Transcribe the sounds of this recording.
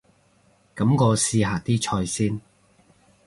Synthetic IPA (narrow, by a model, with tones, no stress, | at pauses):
kɐ˨˥mkɔː˧siː˧ɦaː˨t̪iː˥t͡ʃʰɔː˧jsiː˥n